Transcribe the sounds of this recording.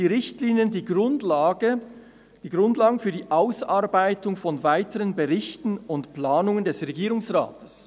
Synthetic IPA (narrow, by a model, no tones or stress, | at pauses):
iːʁɪçtliːnijəndiɡʊnlːɡə | d̥iːɡʁʊndlaːɡəfyːɐdiːʔaʊsaɾbaɪtʊŋfɔnvaɪtəʁənbəʁɪçtn̩ʊntplaːnʊŋəndɛsʁeɡiːɾʊŋsʁa̰ːtʰə̥s